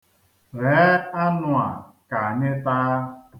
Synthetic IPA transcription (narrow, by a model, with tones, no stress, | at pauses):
ɾe˨˦a˦nʊ˨a̰˨ka˨a˨ɲɪ˦taː˦